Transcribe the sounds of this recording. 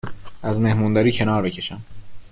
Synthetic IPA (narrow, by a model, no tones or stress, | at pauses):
æzme̞hmund̪ɒɾiːcʰe̞nɒːɾbe̞cʰe̞ʃæm